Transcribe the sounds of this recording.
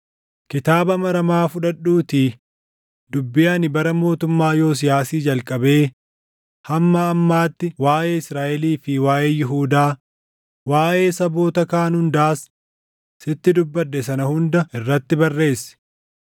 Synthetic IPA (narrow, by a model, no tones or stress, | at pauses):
kɪt̪aːbɐmɐɾɐmaːfʊᶑɐɗuːt̪iː | d̪ʊbːɪjaːnɪbɐɾɐmo̞ːt̪ʊmːaːjo̞ːs̬ɪjaːsiːd͡ʒɐlkʼɐbe̞ː | hɐmːɐːmːaːt̪ːɪwaːʔeːɪsɾaːʔɛliːfɪwaːʔeːjɪɦuːd̪aː | waːʔe̞ːsɐbo̞ːt̪ɐkaːnhʊnd̪aːs | sɪt̪ːɪd̪ʊbːɐᶑːɛsɐnɐhʊnd̪ɐɪrːɐt̪ːɪbɐrːe̞ːsːɛ̥